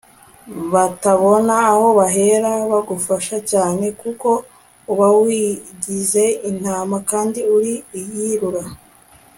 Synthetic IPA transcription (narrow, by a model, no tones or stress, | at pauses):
βataβo̞naːho̞βaɦe̞ɾaβaɡufaʃacaːne̞kuko̞ | uβawiɟize̞in̥haːmakaːndiuɾiijiɾuɾa